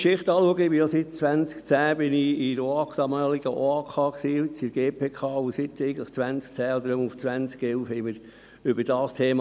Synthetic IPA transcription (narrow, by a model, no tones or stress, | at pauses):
ʃɪχt̪ɑːluəɡəɪbijɔsɪtt͡sʋænt͡skt͡sæːb̥ɪniɪɾoɑːkd̪̥ɑmɑːliɡ̥əʔoakʰɑːksiːt͡siɡ̥eːpʰeːkʰɑːusɪt̪ːɛɪɡən̩tləχt͡sʋænsk̚t͡sæːɔd̪əɾomuft͡sʋænt͡skɛlfhɛɪməɾ | ʏbəɾd̥ɑːstʰeːmɑ